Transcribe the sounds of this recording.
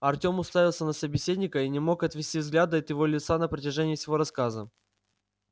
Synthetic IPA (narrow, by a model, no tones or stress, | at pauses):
ɐrtʲo̞mʊst̪avʲɪlˠsʲənəsəbʲɪsʲedʲnʲɪkəinʲɪmo̞kɐt̪vʲɪsʲtʲivzɡlʲad̪ət̪jɪvo̞lʲɪt̪sanəpɾətʲɪʐɛnʲɪːfsʲɪvo̞ɾɐskazə